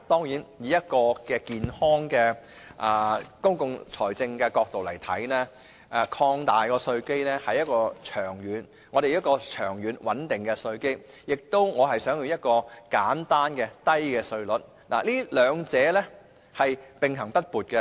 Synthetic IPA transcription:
t̪ɔː˥ŋjiː˨˥njiː˨˧jɐ˥t̚kɔː˧kɛː˧kiː˨nhɔː˥ŋkɛ˧ | ʔaː˨kʊ˥ŋkʊ˧ŋt͡sʰɔː˨˩jt͡sɪ˧ŋkɛː˧kɔː˧k̚t̪o˨wlɐ˨˩jt̪ʰɐ̰˨˥jnɛː˥ | ʔɛ˨kʰɔː˧ŋt̪aː˨jkɔː˧sɵ˧ɥke˥jlɛː˥hɐ˨jɐ˥t̚kɔː˧t͡ʃʰœː˨˩ŋjyː˨˧˥n | ŋɔː˨˧ɾe˨jɐ˥kɔː˧t͡ʃʰœː˨˩ŋjyː˨˥nwɐ˨˥nt̪ɪ˨˩ŋkɛ˧sɵ˧ɥke˥j | jɪ˨k̚t̪o˥wŋɔː˨˧ɦɐ˨jsœː˨˥ŋji˨˧wjɐ˥t̚kɔː˧kaː˨˥nt̪aː˥nkɛː˧t̪ɐ˥jkɛː˧sɵ˧ɥlɵ˨˥t̚ | na̰ː˨˩liː˥lœː˨˧ŋt͡sɛː˨˧˥lɛː˥ | hɐ˨jpɪ˨ŋɦɐ˨˩ŋpɐ˥t̚puː˨˩t̚kɛ˧

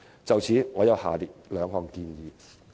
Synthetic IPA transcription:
t͡sɐ˨wt͡sʰiː˨˥ŋɔː˨˧jɐ˨˧wha̰ː˨liː˨t̚lœː˨˧ŋɦɔː˨˩ŋkiː˧njiː˨˧

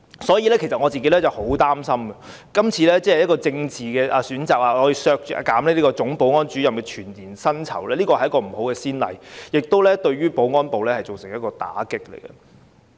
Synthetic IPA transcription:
sɔː˨˥jiː˨˧lɛː˥kʰe˨˩sɐ˨t̚ŋɔː˨˧t͡siː˨ke˨˥jlɛ˥t͡sɐ˨˩who˨˥wt̪aː˥msɐ˥mɡɐ˨ | kɐ˥mt͡sʰiː˨˧lɛː˥t͡sɛː˥hjɐ˥t̚kɔː˧t͡sɪ˧ŋt͡siː˨kɛː˧ʔaː˧syː˨˥nt͡saː˨k̚aː˨hɔː˨˥jiː˨˧sœː˧k̚ːkaː˨˥mlɛ˥liː˥kɔː˧t͡sʊ˨˥ŋpo˨˥wŋɔː˥nt͡ʃyː˨˥jɐ˨mkɛː˧t͡ʃʰyː˨˩nt̪iː˨˩nsɐ˥nt͡sʰɐ̰˨˩wlɛː˥liː˥kɔː˧hɐ˩jɐ˥kɔː˧m̩˨˩ho˨˥wkɛː˧siː˥nlɐ̰˨˩jjɪ˨k̚t̪o˥wlɛː˥t̪ɵ˧ɥɥyː˥po˨˥wŋɔː˥npo˨wlɛː˥hɐ˨jt͡so˨wsɪ˨˩ŋjɐ˥kɔː˧t̪a̰ː˨˥kɪ˥k̚lḛ˨˩jɡɛ̰˨

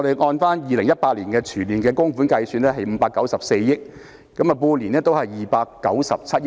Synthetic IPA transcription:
ɾe˨jŋɔː˧nfaː˥njiː˨lɪ˨˩ŋjɐ˥t̚paː˧t̚liː˨˩nkɛː˧t͡ʃʰyː˨˩nliː˨˩nkɛː˧kʊ˥ŋfuː˨˥nkɐ˧jsyː˧nɛː˥ɦɐ˨jm̩˨˧paː˧kːɐ˨˥wsɐ˨p̚se˧jjɪ˥k̚ː | ɐ˨˥mɐ˨puː˧nliː˨˩nɛː˥t̪o˥whɐ˨jːiː˨˩paː˧kːɐ˨˥wsɐ˨p̚t͡sʰɐ˥t̚j

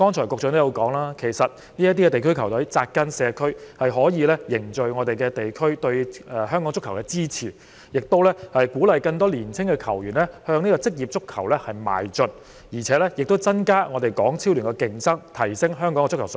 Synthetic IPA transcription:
kɔː˥ŋt͡ʃʰɔː˨˩jkʊ˨k̚t͡ʃʰɔ˧˨˧t̪ja˨˧wkɔː˨˥ŋlaː˥kʰe˨˩jsɐ˨t̚ | niː˥jɐ˥t̪i˥kɛ˧t̪e˨jkʰɵ˥ɥkʰɐ˨˩wt̪ɐ˨˥ɥt͡saː˧kkːɐ˥nsɛː˨˧kʰɵ˥ɥhɐ˨jɦɔː˨˥jiː˨˧lɛ˥jɪ˨˩ŋt͡ʃɵ˨ɥŋɔː˨˧t̪e˨jkɛ˧t̪e˨jkʰɥt̪ɵ˧ɥɛ˧hœː˥ŋkɔː˨˧˥ŋt͡sʊ˥kʰːɐ˨˩wkɛ˧t͡siː˥t͡sʰḭː˨˩ | jɪ˨k̚t̪o˥wlɛ˥hɐ˨jkuː˨˥lɐ˨jkɐ˧ŋt̪ɔː˥liː˨˩nt͡sʰɪ˥ŋkɛ˧kʰɐ˨˩wjyː˨˩nlɛ˥hœː˧ŋniː˥kɔ˧t͡sɪ˥k̚jiː˨p̚t͡sʊ˥kʰːɐ˨˩wlɛ˥hɐ˨jma̰ː˨jt͡ʃɵ˨t̚ | jiː˨˩t͡sʰɛː˨˥lɛ˥jɪ˨k̚t̪o˥wt͡sɐ˥nkaː˥ŋɔː˨˧t̪e˨jkɔː˨˥ŋt͡sʰiː˥wlyː˨˩nkɛ˧kɪ˧ŋsɐ˥ŋt̪ʰɐ˨˩jsɪ˥ŋɦœː˥ŋkɔː˨˥ŋɛ˧t͡sʊ˥kʰɐ˨˩w

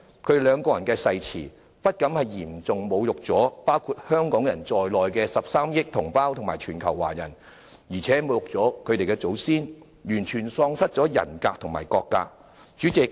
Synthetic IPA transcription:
kʰɵ˧ɥlœː˨˧ŋkɔː˧jɐ˨˩nkɛː˧sɐ˧jt͡sʰḭː˨˩ | pɐ˥t̚kɐ˨˥mhɐ˨jjiː˨˩mt͡sʊ˨ŋmo˨˧wjʊ˨k̚t͡sɔː˨˥paː˥wkʰuː˧t̚hœː˥ŋkɔː˨˥ŋjɐ˨˩nt͡sɔː˨jlɔː˨jkɛː˧sɐ˨p̚saː˥mjɪ˥k̚t̪ʰʊ˨˩ŋpaː˥wt̪ʰʊ˨˩ŋma̰ː˨˩jt͡ʃʰyː˨˩nkʰɐ˨˩wːa̰ː˨˩jɐ˨˩n | jiː˨˩t͡sʰɛː˨˥mo˨˧wjʊ˨k̚t͡sɔː˨˥kʰɵ˨˧ɥt̪e˨jkɛ˧t͡so˨˥wsiː˥n | jyː˨˩nt͡ʃʰyː˨˩nsɔː˧ŋsɐ˥t̚t͡sɔː˨˥jɐ̰˨˩nkaː˧k̚t̪ʰʊ˨˩ŋmaː˨˩jkɔː˧kːa̰ː˧ | t͡ʃyː˨˥t͡sɪ˨k̚

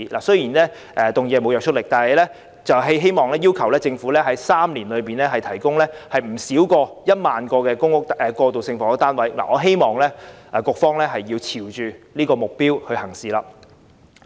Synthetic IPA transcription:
lʔa̰ː˨˩sɵ˥jiː˨˩nlɛː˥ | ʔɛ˨˧t̪ʊ˨ŋjɛː˨˧mo˨˧wjœː˨k̚t͡ʃʰɵ˥t̚lɪ˨k̚t̪aː˨nɦɐ˨jlɛː˥ | t͡sɐ˨wɦe˥ɦe˥jmɔː˨˩ŋlɛː˥jiː˥wkʰɐ˨˩wlɛː˥t͡sɪ˧ŋfu˨˥lɛː˥ɦɐ˨˥jsaː˥mliː˨˩nlɵ˨˧ɥpiː˨˩nlɛː˥ɦɐ˨jt̪ʰɐ˨˩jkʊ˥ŋlɛː˥hɐ˨jm̩˨˩siː˨˥wkɔː˧jɐ˥t̚maː˨nkɔː˧kɛː˧kʊ˥ŋʊ˥k̚t̪ʔɛ˨˧kɔː˧t̪o˨wsɪ˧ŋfɔː˨˥kɔ˧˥t̪aː˥nwɐ˨˥jla̰ː˨˩ŋɔː˨˧ɦe˥jmɔː˨˩ŋlɛː˥ʔɛː˨˧kʊ˧k̚fɔː˥ŋlɛː˥ɦɐ˨jːiː˧wt͡sʰiː˨˩wt͡ʃyː˨liː˥kɔː˧mʊ˨k̚piː˥whɵ˧ɥhɐ˨˩ŋsiː˨laː˧

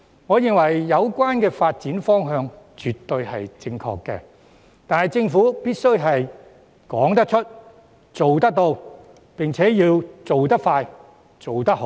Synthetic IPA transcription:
ŋɔː˨˧jɪ˨˧ŋwɐ˨˩jːɐ˨˧wkʷaː˥nkɛː˧faː˧t̚t͡siː˨˥nfɔː˥ŋɦœː˧ŋt͡ʃy˨t̪ːɵ˧ɥhɐ̰˨jt͡sɪ˧ŋkʰɔ̰ː˧kːɛ̰ː˧ | t̪aː˨nhɐ˨jt͡sɪ˧ŋfuː˨˥piː˥t̚sɵ˥ɥɦɐ˨j | kɔ̰ː˨˥ŋt̪ɐ˥k̚t͡ʃʰɵ˥t̚ | t͡so˨wt̪ɐ˥k̚t̪o˧w | pɪ˨ŋt͡sʰɛː˨˥jiː˧wt͡so˨wt̪ɐ˥k̚faː˧j | t͡so˨wt̪ɐ˥k̚ho˨˧˥

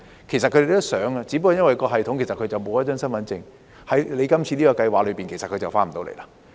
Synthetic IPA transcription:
kʰe˨˩js̬ɐ˨kʰɵ˧d̪e˨˩t̪o˥sœː˨˥ŋa˧t͡siː˨˥p̬ːɔ˧˩jɐ˥nwɐ˨jkɔː˧ɦɐ˨jt̪ʰʊ˨˥ŋkʰe˨˩sɐ˨kʰɵ˨˧jt͡sɐ˨wmo˨˧wjɐ˥t͡ʃœː˥ŋsɐ˥nfɐ˨˥nt͡sɪ˧ŋ | hɐ˨˥jle˨˧jkɐ˥mt͡sʰiː˧liː˥kɔː˧kɐ˧jwaː˨k̚lɵ˨˧piː˨nke˨˩sɐ˨t̚kʰt͡sɐ˨˩wfaː˥m̩˨t̪o˧wlḛ˨˩la˧˥

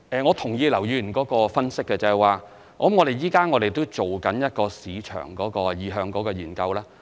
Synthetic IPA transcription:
ʔɛː˨ŋɔː˨˧t̪ʰʊ˨˩ŋjiː˨˧lɐ˨˩wjyː˨˧˨nkɔː˨˥kɔː˧fɐ˥nsɪ˥kːɛ˧t͡sɐː˨jwaː˨ | ɔː˨˦mŋɔː˨˧ɾe˨jjiː˥kaː˥ŋɔː˨˧ɾe˨˩jt̪o˥wt͡so˨wkɐ˨˥njɐ˥t̚kɔː˧siː˨˧t͡ʃʰœ̰ː˨˩ŋkɔː˨˥kɔː˧jiː˨˧ɦœː˧ŋkɔː˨˥kɔː˧jyː˨˩nkɐ˧wlaː˥

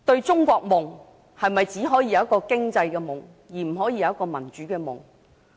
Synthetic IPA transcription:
t̪ɵ˧ɥt͡sʊ˥ŋkʷɔː˧k̚mʊ˨˩ŋ | hɐ˨jmɐ˨jt͡siː˨˥ɦɔː˨˥ji˧jɐ˨˧wɐ˥kːɔː˧kɪ˥ŋt͡sɐ˧jkɛː˧mʊ˨˩ŋ | jiː˨˩m̩˨˩ɦɔː˨˥jiː˧jɐ˨˧wɐ˥kːɔː˧mɐ˨˩nt͡ʃyː˨˥kɛː˧mʊ̰˨˩ŋ

